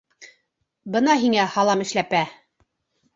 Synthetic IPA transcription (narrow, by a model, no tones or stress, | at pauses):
bɤ̆nɑɦiŋæhɑlˠɑmɘ̆ʃlæpæ